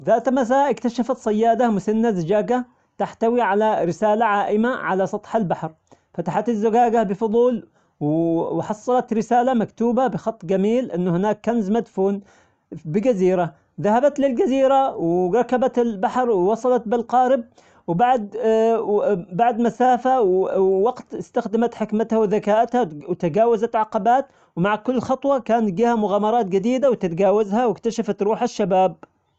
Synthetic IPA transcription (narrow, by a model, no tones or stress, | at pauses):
ðaːt̪mas̬aːʔɪkt̪aʃafat̪sˤɑjːaːd̪amʊsanːazɪd͡ʒaːɡa | t̪aħt̪awiʕalaɾɪsaːlaʕaːʔɪmaʕalasˤɑt̪ˤħalbaħɾ | fat̪aħat̪ɪzːʊɡaːɡabɪfʊðˤuːl | wwħɑsˤːɑlɑt̪ɾɪsaːlamakt̪uːbabɪxɑt̪ˤːɡamiːlʔɪnːʊhɪnaːkːanzmad̪fuːn | bɪɡaziːɾa | ðahabat̪lɪlɡaziːɾawɾˤɑkabat̪ɪlbaħɾˤwwɑsˤɑlɑt̪̚bɪlqɑːɾɪb̚ | wbaʕd̪̚ | baʕd̪masaːfawwɑɡt̪ɪst̪axd̪amat̪ħɪkmɪt̪hawɪðakaːʔɪt̪hawt̪aɡaːwazat̪ʕaqːɑbaːt̪ | wmaʕkʊlːxɑt̪ˤwɑkaːnt̪̚ɡiːhamʊɣaːmɑɾˤɑːt̪̚d͡ʒɪd̪iːd̪awɪt̪ɪt̪ɡaːwazhawɪkt̪aʃafat̪ɾuːħaʃːabaːb̚